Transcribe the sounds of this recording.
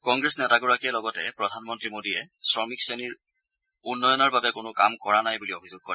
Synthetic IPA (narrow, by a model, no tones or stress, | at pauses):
kɔŋɡɹesnɛtaɡɔɹakɛlɔɡɔtɛ̰pɹɔdʱanmɔntɹimodiɛsɹɔmikseniɹ | unːɔjɔnɔɹbabɛkʊnʊkamkɔɹanajbuliobʱizʊɡ̚kɔɹɛ